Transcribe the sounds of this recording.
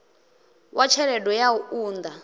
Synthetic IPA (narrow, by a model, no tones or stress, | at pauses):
wʔat͡ʃʰɛɺɛdɔjauuːnd̪a